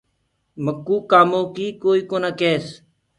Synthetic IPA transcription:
məkːuːkaːmoːkiːkoːiːkoːnaːkeːs

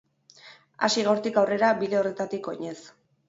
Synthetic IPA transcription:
a̰siɣawɾt̪ikawre̞ɾabiðe̞o̞re̞t̪at̪iko̞ɲe̞s

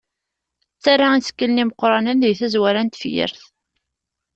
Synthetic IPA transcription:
t͡sːaɾːaisə̥kːəlniməqːɾˤɑnənðiθæzwæɾænt̪fjə̰ɾθ

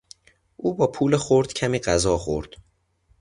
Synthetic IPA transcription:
ʔuːbɒːpʰuːlexoɾd̪̥cʰæmiːɢæzɒːxo̰ɾd̪̥

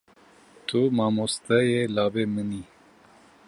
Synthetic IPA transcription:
t̪ʰumɑːmost̪ajelaːbeməni

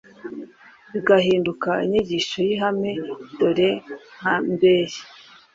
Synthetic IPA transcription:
βiɡaɦiːndukaiɲiɟiʃojiɦame̞doɾe̞ŋ̥ambeːɾi

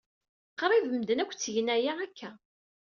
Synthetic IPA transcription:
qɾˤivəmd̪ənækʷːt͡sːʝnæjæækʰːæ

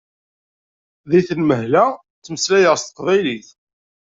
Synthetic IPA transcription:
ðiθənməɦlæ | t͡sːməslæjəʁst̪ə̥qvæjliθ

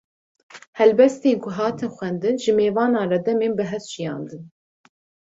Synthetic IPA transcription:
hɛlbɛst̪eːnkʰʊɦɑːt̪ʰɨnxʷwɛnd̪ɨnʒɨmeːvɑːnɑːrɛd̪ɛmeːnbɨɦɛst̪ʒijɑ̰ːnd̪ɨn

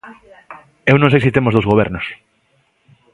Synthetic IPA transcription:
ewnõŋ̃s̬ejsit̪emozðowzɣoβ̞eɾnos

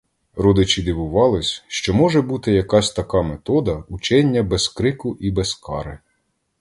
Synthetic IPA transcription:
ɾɔd̪ɪt͡ʃid̪ʲiʋʊʋɑlˠɪsʲʃt͡ʃɔmɔʒɛbut̪ɪjɐkɑsʲt̪ɐkɑmet̪ɔd̪ɐut͡ʃɛnʲːɐbɛskɾɪkʊʔibɛskɑɾɪ

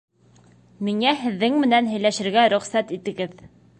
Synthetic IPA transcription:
miŋæɦɘ̆ðːɘŋmɘ̆nænɦɘ̆jlæʃɘ̆ɾɡæɾɵ̆χsæt̪it̪ɘ̆ɡɘð

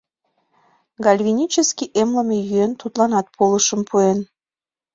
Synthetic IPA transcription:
ɡɑlʲvʲinʲit͡ɕəskʲiʔemləmejyent̪ut̪lɑnɑt̪̚pʰoləʃəmpuen

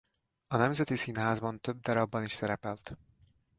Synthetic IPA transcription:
ɒnɛmzɛt̪isinɦaːzbɒnt̪øb̚d̪ɒɾɒbːɒniʃsɛɾɛpɛlt̪

